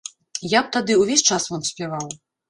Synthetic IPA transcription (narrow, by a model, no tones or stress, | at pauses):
jap̚t̪ad̪ɨwvʲesʲt͡ʂasvamsʲpʲɛvaw